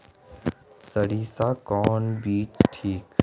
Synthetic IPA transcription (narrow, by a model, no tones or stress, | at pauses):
səɽiːsaːkɔːnbiːt͡ʃʈʰiːk